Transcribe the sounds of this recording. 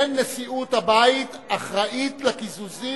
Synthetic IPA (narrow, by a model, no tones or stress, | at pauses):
nːesiʔut̪habait̪ | aχʁaʔit̪lakizuzi